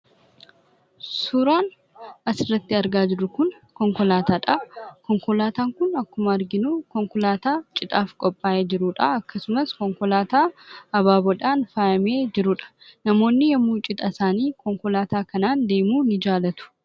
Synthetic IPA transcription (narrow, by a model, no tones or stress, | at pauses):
suɾaːn | ɐsɪrːɐt̪ːɪɐɾɡaːd͡ʒɪɾʊkʊn | kɔŋkɔlaːt̪aːᶑɐkɔŋkɔlaːt̪aːŋkʊnɐkːʊmɐɐɾɡɪnuːkɔŋkɔlaːt̪aːt͡ʃʼɪt̪ʼaːfkʼɔpʼːaːʔeːd͡ʒɪɾʊᶑɐɐkːɐsʊmɐskɔŋkɔlaːt̪aːɐbaːbɔᶑaːnfaːjɐmeːd͡ʒɪɾʊᶑɐ̥ | nɐmo̞ːnːɪjɛmːuːt͡ʃʼɪt̪ʼɐsaːniːkɔŋkɔlaːt̪aːkɐnaːnd̪e̞ːmuːnɪd͡ʒaːlɐt̪ʊ̥